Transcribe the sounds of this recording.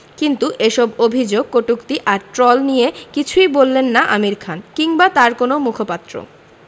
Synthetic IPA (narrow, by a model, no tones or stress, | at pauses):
kint̪uʔeʃɔbobʱid͡ʑoɡ̚koʈukt̪iʔaɾʈɾɔlnijekit͡ɕʰujbolːenːaʔamiɾkʰankiŋbat̪aɾkonomukʰopat̪ːɾo̰